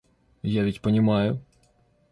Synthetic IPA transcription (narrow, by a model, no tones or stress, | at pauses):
jaʋʲitʲpɔnʲɪmɑjʊ